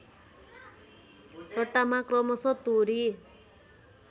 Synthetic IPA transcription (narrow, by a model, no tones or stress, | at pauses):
sʌʈːamakrʌmʌsʌt̪uɾi